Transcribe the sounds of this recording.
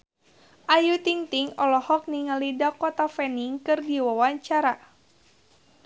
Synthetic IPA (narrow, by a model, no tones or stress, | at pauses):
ʔajut̪iŋt̪iŋɔlɔhɔk̚niŋalidakɔt̪afɛniŋkɨrdiwawaɲt͡ʃaɾa